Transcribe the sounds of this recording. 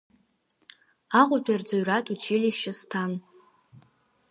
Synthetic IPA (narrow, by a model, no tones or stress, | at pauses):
aʁʷʊtʷʰard͡zoɥratʼut͡ʃʰilʲiʃɪstʰan